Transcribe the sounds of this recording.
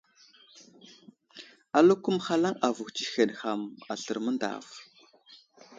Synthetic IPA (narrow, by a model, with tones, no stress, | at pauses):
a˨lu˦ku˦mχa˦la˦ŋʔa˨vu˨xt͡ʃi˨xe˨nxa˨ma˨ɬə˨ɾmə˦nda̰ː˨v